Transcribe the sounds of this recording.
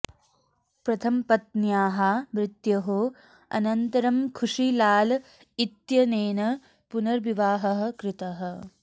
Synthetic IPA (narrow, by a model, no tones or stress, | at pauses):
pɾɐt̪ʰɐmpɐt̪̚njaːɦɐmɾɪt̪jɐɦo | ɐ̰nɐnt̪ɐɾɐmkʰuʂilaːl | it̪jɐneːnɐ | punɐɾʋiʋaːɦɐɦɐ̆kɾɪt̪ɐɦɐ̆